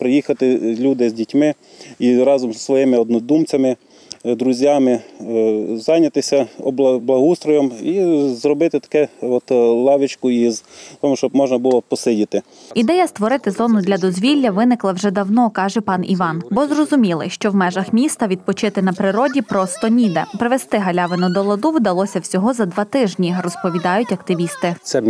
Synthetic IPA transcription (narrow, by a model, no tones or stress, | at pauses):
pɾɪjixɐt̪ɪlʲud̪ɪzʲdʲitʲmɪ | iɾɑzɔmzsʋɔjɪmɪɔd̪nɔd̪umt͡sʲɐmɪ | d̪ɾʊzʲjamɪ | zɑjnʲɐt̪ɪsʲɐɔbˠblˠɐɦust̪ɾɔjɔmizrɔbɪt̪ɪt̪ɐ̥kɛɔt̪lˠɑʋɪt͡ʃkʊizt̪ɔmʊʃt͡ʃɔbmɔʒnɐbʊlˠɔpɔsɪdʲit̪ɪ | id̪ɛjɐst̪ʋɔɾɪt̪ɪzɔnʊd̪lʲɐd̪ɔzʲʋʲilʲːɐʋɪnɪklˠɐwʒɛd̪ɐwnɔkɑʒɛpɑniʋɑnbɔzrɔzʊmʲilˠɪʃt͡ʃɔwmɛʒɐxmʲist̪ɐʋʲid̪̚pɔt͡ʃɪt̪ɪnɐpɾɪɾɔdʲipɾɔst̪ɔnʲid̪ɛpɾɪʋest̪ɪɦɐlʲɑʋɪnʊd̪ɔlˠɐd̪uwd̪ɐlˠɔsʲɐwsʲɔɦɔzɐd̪ʋɑt̪ɪʒnʲirɔspɔʋʲid̪ɑjʊtʲɐkt̪ɪʋʲist̪ɪt̪sɛ